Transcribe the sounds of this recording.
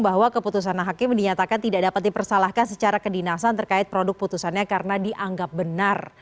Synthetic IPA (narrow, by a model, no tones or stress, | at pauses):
baɦwakəput̪us̬anɦakɪmdiɲat̪akant̪idaʔdapat̪̚dipərsalahkansət͡ʃaɾakədinasant̪ərkaɪt̪̚pɾodʊk̚put̪usanɲakaɾənadiʔaŋɡap̚bənar